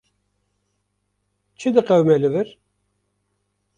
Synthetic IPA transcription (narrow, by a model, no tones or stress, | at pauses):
t͡ʃːid̪əqæwmæləvəɾ